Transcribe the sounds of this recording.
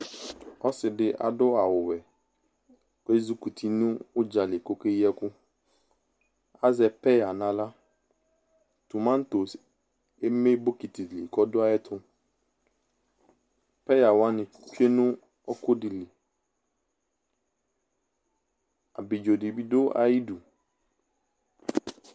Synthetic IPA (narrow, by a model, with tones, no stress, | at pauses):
ɔ˦sɪ˨dɪ˦ʔa̰˨dʊ˦a˨wʊ˨wɛ˨ | ke˦zu˦ku˨t̪ʰi˨nũ˦wʊ˦d͡ʒa˨lɪ˨ko˦ke˦i˦ɛ˦kʊ˦ | a˦zɛ˨pɛ˦ja˨nã˨la˦ | t̪u˨mã˦n˦t̪o˨s | e˦me˦bo˦ki˨t̪i˨li˨kɔ˦dʊ˦a˦ɛ˦t̪ʰʊ˦ | pɛ˦ja˨wa˦nɪ̃˨ | ke˦nʊ̃˦ | ɔ˦kʊ˦dɪ˨li˨ | a̰˨bɪ˨d͡ʒo˨dɪ˨bi˦dʊ˦a̰˨ji˦du˨